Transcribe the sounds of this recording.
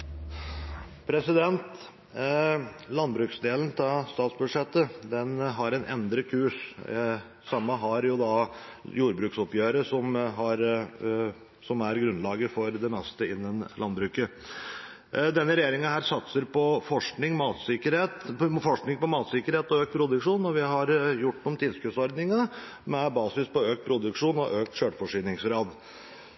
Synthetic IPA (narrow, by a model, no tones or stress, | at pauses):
pʰɾɛsɪd̪ɛnt̪ | lɑnbɾʉːksd̪eːlən̩t̪ʰɑst̪ɑːt̪sbʉd̪ʂɛt̪ːəd̪ɛnɦɑɾɛnʔɛ̰nd̪ɾəkʰʉːʂ | sɑmːəɦɑɾjʊd̪ɑjuːɾbɾʉːksɔpjøːɾəsɔmɦɑɾ | sɔmæɾɡɾʉnlɑːɡəfɔɾd̪ɛmɛst̪əɪnːənlʔɑnbɾʉːkə | d̪ɛnːəɾɛjeːɾɪŋənhæːɾsɑt̪səɾpɔfɔʂknɪŋmɑːt̪sɪkəɾheːt̪fɔʂknɪŋpɔmɑːt̪sɪkːəɾheːt̪ɔøːk̚t̪̚pʰɾʊd̪ʉkʂuːnːɔʋɪɦɑɾjʊʈ̪ːɔmt̪ʰɪlskʉsɔɾd̪nɪŋɑ | mɛbɑːsɪspɔøːk̚t̪̚pʰɾʊd̪ʉkʂuːnɔ̰ʔøːk̚t̪ɕøːʈfɔʂiːnɪŋsɡɾɑːd̪